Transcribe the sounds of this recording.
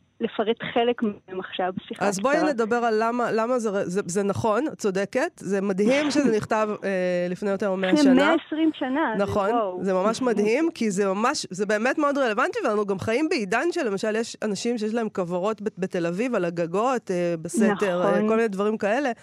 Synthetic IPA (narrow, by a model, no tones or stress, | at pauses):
lefaʁet̪χelekmmaχʃavsiχazboijened̪abe̞ʁalːamalamazeʁezezenaχo̞nt͡so̞deke̞tzemadhimʃezeniχtavelifnejo̞teʁmeaʃanmeaesʁimʃananaχonzemamaʃmadhimkizemamaʃzebe̞ːmetmeo̞dʁelevant̪iveanuɡamχaimbeidanʃele̞maʃaljeʃanaʃimʃejeʃlahemkavaʁo̞tbebetelavivalaɡaɡo̞tebeseteʁekolminedvɐʁimkae̞le̞